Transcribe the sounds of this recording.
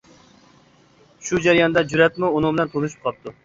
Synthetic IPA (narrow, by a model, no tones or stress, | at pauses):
ʃud͡ʒæɾijɑnd̪ɛd͡ʒuɾɛt̪̚mʊʊnɨŋbɪlɛnt̪ʰolˠɨʃi̥p̚qʰɑp̚t̪ʊ